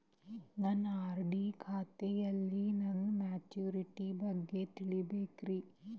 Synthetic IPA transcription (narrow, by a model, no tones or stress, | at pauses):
nɐnːaːɾɖiːkʰaːt̪ejɐlːinɐnmaːt͡ʃjuːɾiʈibɐɡːet̪iɭibeːkɾi